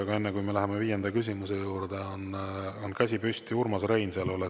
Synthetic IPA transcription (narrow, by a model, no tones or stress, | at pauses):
ɑɡɑe̞nːekujmelæɦemeviːjend̪ɑkys̬ʲimuse̞juːɾd̪̥eononkæs̬ʲipyst̪iurmɑsɾejnseɑlole